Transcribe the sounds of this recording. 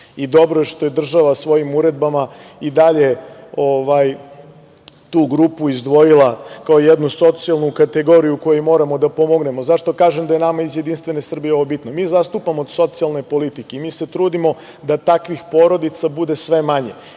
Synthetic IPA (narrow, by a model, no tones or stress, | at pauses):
id̪o̞bɾojeʃt̪o̞je̞d̪r̩ʒaʋasʋo̞jimuɾe̞d̪̚bamaid̪aʎeo̞ʋaj | t̪uːɡɾupuizd̪ʋo̞jilˠakaoijed̪nuso̞t̪sijalˠnukat̪eɡo̞ɾijuko̞jmo̞ːɾamo̞d̪apo̞mo̞ɡne̞mo̞zaʂt̪o̞kaːʒemd̪ajenamaizje̞d̪inst̪ʋe̞ne̞sr̩bijeo̞ʋobit̪nomiːzast̪upamoːd̪so̞t̪sialˠnepo̞lit̪ikeimiːse̞t̪ɾuːd̪imo̞ | d̪at̪akʋixpo̞ɾo̞d̪it̪sabud̪e̞sʋe̞maɲe